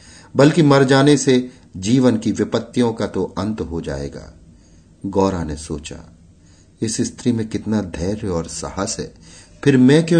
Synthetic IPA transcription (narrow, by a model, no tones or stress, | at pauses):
bɐlkimɐɾd͡ʒaːnese | d͡ʒiːʋənkiʋɪpət̪ːijõkat̪oɐ̃nt̪ɦod͡ʒa̰ːḛːɡa̰ː | ɡɔːɾanesoːt͡ʃa̰ | ɪsɪst̪ɾimẽkɪt̪nad̪ʱɛːɾɔːɾsɐ̰həsɦɛːpʰɪɾmɛ̃kẽ